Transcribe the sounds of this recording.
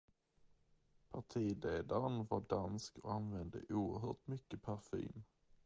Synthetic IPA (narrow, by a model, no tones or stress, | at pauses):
pʰaʈʰiːleːd̪aɾənvɑɖanskɔanvɛnd̪ə̰ʔuːəɾɦœːʈmʏkːəpʰæɾfy̰ːm